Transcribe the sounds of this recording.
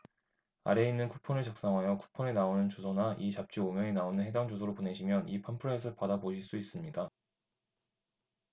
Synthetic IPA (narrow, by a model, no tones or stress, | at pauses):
a̰ɾe̞inːɯnkʰupʰʌnɯɭt͡ɕak̚s͈aŋɦajʌkʰu̥pʰone̞naonɯnt͡ɕosʰʌnaʔit͡ɕap̚t͡ɕ͈iomjʌŋinaonɯnɦe̞daŋd͡ʑos̬ʰoɾopone̞ɕʰimjʌnipʰampʰɯɾaes̬ʰɯɭpadaboɕʰiɭs͈uis͈ɯmɲida